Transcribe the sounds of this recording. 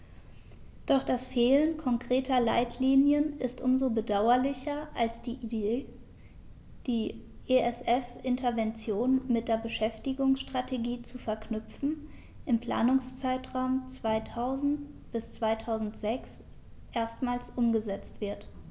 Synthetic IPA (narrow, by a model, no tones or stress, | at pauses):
d̥ɔχd̥asfeːlənkʰɔŋkʁ̥eːtʰɐla̰ɪtʰliːnjənɪstʔʊmzobədaʊɐlɪçɐʔalsd̥i | d̥iːʔeɛsɛfɪntʰɐvɛnt͡sjoːnmɪt̚d̥eːɐbəʃɛftɪɡʊŋsʃtʁ̥atʰeɡiːt͡sufɛɐknʏpfn̩ | ʔɪmpl̥a̰ːnʊŋst͡saɪtʁ̥aʊmt͡sv̥aɪtʰaʊzn̩t | b̥ɪst͡sv̥aɪtʰaʊzn̩tz̥ɛks | ʔeːɐstmaːlsʔʊmɡəzɛt͡stv̥ɪɐt